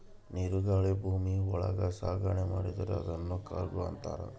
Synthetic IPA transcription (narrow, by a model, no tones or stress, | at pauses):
niɾuɡaːɭebʱuːmiɔɭɐ̰ɡɐsaːɡaɳemaːɽid̪ɐɾeɐd̪ɐnːuːkaːɾɡuɐ̰nt̪a̰ːɾɐ̰